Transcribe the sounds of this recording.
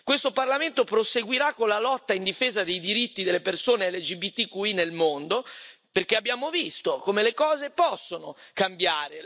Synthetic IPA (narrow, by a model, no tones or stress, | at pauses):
kwest̪oparlament̪opɾoseɡwiɾakːonlalɔt̪ːaind̪ifeːzad̪ejd̪iɾit̪ːid̪elːepersoːnelːed͡ʒibit̪ːikuinelmond̪operk̟eabːjaːmovist̪okomelekɔːzepɔsːonokambjaːɾe